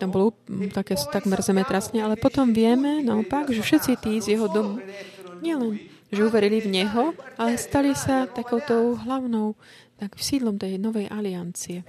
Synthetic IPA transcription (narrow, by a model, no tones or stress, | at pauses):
t̪ambɔlɔt̪akɛːst̪aɡmɛɾzɛmɛt̪ɾasɲɛalɛpɔt̪ɔmʋɪɛmɛnaɔpaɡʒɛfʃɛt̪t͡sit̪iːzjɛɦɔd̪ɔmuɲɪɛlɛn | ʒɛuʋɛɾilivɲɛɦɔalɛst̪alisat̪akɔʊt̪ɔʊɦlaʊnɔʊ | t̪aksiːd̪lˠɔmt̪ɛjnɔʋɛjʔaliant͡siɛ